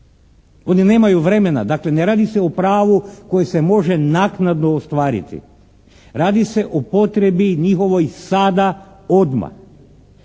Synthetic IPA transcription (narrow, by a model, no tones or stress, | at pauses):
o̞nine̞ːmajuʋɾe̞me̞na̰d̪akle̞neɾaːd̪ise̞opɾaːʋuko̞jese̞mo̞ʒenaknad̪noːst̪ʋaːɾḭt̪ḭ | ɾaːd̪ise̞ʔopo̞t̪ɾe̞biɲixo̞ʋojsad̪a | o̞d̪ma̰